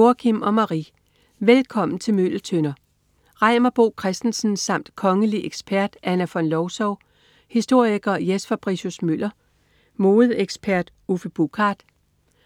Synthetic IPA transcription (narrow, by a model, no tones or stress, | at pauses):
o̝ɐkʰimɒ̽mɑ̈ʁḭ | ʋelkʰɒ̽m̰n̩t͡sʰe̝lmøl̰t͡sʰønɐ | ʁɑ̈ɪ̰mɐb̥o̝̰ːkʰʁɛsd̥n̩sn̩sɑ̈m̰d̥kʰɒ̽ŋəliʔeɡ̥sb̥æɐ̰d̥ʔænæfɒ̽nlɒʊsɒʊ | hisd̥o̝ɐ̰iɡ̥ɐjesfæb̥ʁiɕusmøl̰ɐ | mo̝ːð̞̩ˠeɡ̥sb̥ʰæɐ̰d̥ | ufəb̥ukʰɑ̈ːd̥